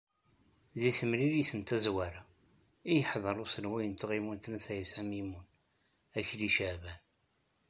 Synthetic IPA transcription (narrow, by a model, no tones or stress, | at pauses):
ðiθəmɾiɾiθənt̪æzwæɾa | ijəħðˤəɾˤusəlwijənt̪əʁimunt̪næθæjəsæmimun | æçliʃəʕvæn